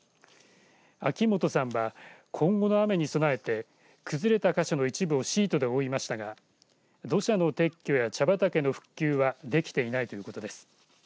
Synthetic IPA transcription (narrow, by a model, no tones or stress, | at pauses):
akʲimo̞t̪o̞sãɰ̃βakʰõ̞ŋɡo̞no̞ame̞ɲ̟iso̞nae̞t̪e̞ | kɯ̟zɨɾe̞t̪akaɕo̞no̞it͡ɕibɯo̞ɕiːt̪o̞d̪e̞o̞imaɕi̥t̪aɡa | d̪o̞ɕano̞t̪e̞kʲːo̞jat͡ɕabat̪ake̞no̞ɸɯ̟̥kʲːɨːβad̪e̞kʲi̥t̪e̞inait̪o̞jɯ̟ko̞t̪o̞d̪e̞sɨ̥